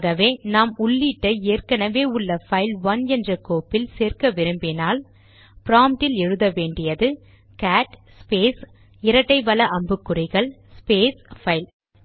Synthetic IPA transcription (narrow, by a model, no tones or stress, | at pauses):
ɣɐʋeːnaːmʊɭːiʈːɐeːrkɐnɐʋeːʊɭːɐfɐɪlʋɐnɛndrɐkoːpːɪlseːrkɐʋɪɾɯmbɪnaːl | pɪɾaːmʈɪlɛɻɯðɐʋeːɳɖɪjɐðɯ | kaːʈspeːs | ɪɾɐʈːɐɪʋɐlɐʔɐmbɯkːɯrɪɣɐɭ | speːsfɐɪl